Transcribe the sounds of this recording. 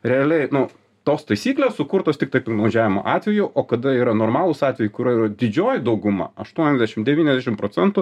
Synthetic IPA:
ɾʲɛɐlʲɛɪnʊ | t̪oːst̪ɐɪsʲiːklʲeːssʊkʊɾt̪oːst̪ʲɪk̚t̪ɐɪpɐɡnɐʊʒʲæːʋʲɪmo̰ʔɑːt̪ʲʋʲɛjʊʔoːkɐd̪ɐiːɾɐnoːɾmɑːlˠʊsɑːt̪ʲʋʲɛjʊkʊɾʲuɔiɾɐd̪ʲɪd͡ʒʲoːjɪd̪ɐʊɡʊmɑ̰ɐʃt̪uɔnʲɛzd̪ʲæʃʲɪmd̪ʲɛʋʲiːnʲɛzd̪ʲæʃʲɪmpɾoːt͡ssʲɛnt̪ʊ

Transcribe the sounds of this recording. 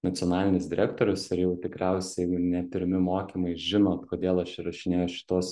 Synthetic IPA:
nɐt̪sʲiɔnɑːlʲɪnʲɪsd̪ʲɪɾʲækt̪oːɾʲʊsɪɾjɛʊt̪ʲɪkɾʲɛʊsʲɛjɡʊnʲɛpʲɪɾʲɪmʲɪmoːkʲiːmɐɪʒʲɪnoːt̪koːd̪ʲeːlˠɐʃɪɾɐʃʲɪnʲeːjoːʃʲɪ̥t̪oːs

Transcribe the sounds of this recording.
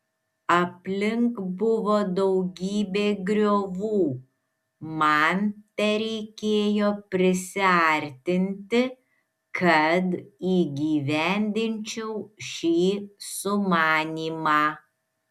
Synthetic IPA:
ɐpʲlʲɪŋkbʊʋoːd̪ɐʊɡʲiːbʲeːɡɾʲoːʋuː | mɑnt̪ʲɛɾʲɛɪkʲeːjoːpʲɾʲɪsʲɪɐɾʲt̪ʲɪnʲt̪ʲɪ | kʰɐt̪iːɡʲiːʋʲænʲd̪ʲɪnʲt͡ʃʲɛʊʃʲiːsʊmɑːnʲiːmɑː

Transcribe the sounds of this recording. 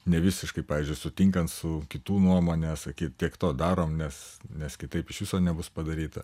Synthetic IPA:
nʲɛʋʲɪsʲɪʃkɐɪpɑːʋʲiːzʲd͡ʒʲʊɪsʊt̪ʲɪŋkɐnt̪sʊkʲɪt̪uːnuɔmoːnʲɛːsɐkʲiːt̪̚tʲiɛkt̪oːd̪ɑːɾoːmnʲɛsnʲɛskʲɪt̪ɐɪpɪʃʋʲɪsoːnʲɛbʊspɐd̪ɐɾʲiːt̪ɐ

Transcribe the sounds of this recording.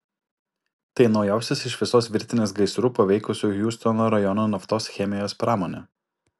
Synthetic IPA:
t̪ɐɪnɒʊjæˑʊsʲesɪʃʋʲɪsoːsʋʲɪɾʲt̪ʲɪnʲeːsɡɐɪsɾuːpɐʋʲɛɪkʊsʲuːjuːst̪ɔnoːɾɐjɔnoːnɐft̪oːsxʲɛmʲɪjoːspɾɑːmoːnʲeː

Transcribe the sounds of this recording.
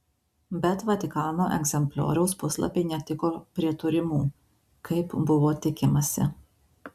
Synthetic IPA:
bʲɛt̪ʋɐt̪ʲɪkɑːnoːʔɛ̰ɡzʲɛmʲpʲlʲo̰ːɾʲɛʊspʊslˠɐ̰pʲeɪnʲɛt̪ʲɪkoːpʲɾʲiɛt̪ʊɾʲɪmuː | kʰɐɪpbʊʋoːt̪ʲɪkʲɪmɐsʲɪ̰

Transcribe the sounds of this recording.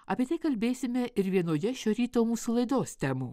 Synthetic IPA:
ɐpʲiɛt̪ɐɪkɐlʲbʲeːsʲɪmʲɛʔɪɾʋʲiɛnoːjɛʃʲoːɾʲiːt̪oːmuːsulˠɐɪd̪oːst̪ʲɛmuː

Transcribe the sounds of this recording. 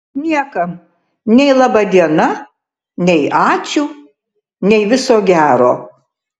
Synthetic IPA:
nʲiɛkɐ | nʲɛɪlˠɑːbɑd̪ʲiɛnɐ | nʲɛɪʔɑːt͡ʃʲuː | nʲɛɪʋʲɪsoːɡʲæːɾoː

